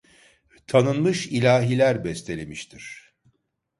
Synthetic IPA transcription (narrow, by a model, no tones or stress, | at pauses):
t̪ʰanɯnmɯʃilʲaːɦilʲæɾbɛst̪ʰelʲemiʃt̪ʰiɾ̥